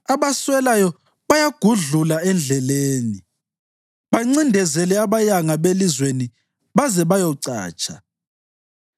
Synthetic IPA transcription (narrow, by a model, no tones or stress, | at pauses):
aβaswɛlajɔ | βajaɡ̥ʱuɮulaɛnd͡ɮʱɛleːni | βaŋ͡ǀindʱɛzɛlɛaβajaŋaβelizweni | βazɛβajɔǀa̰ːt͡ʃʼʰa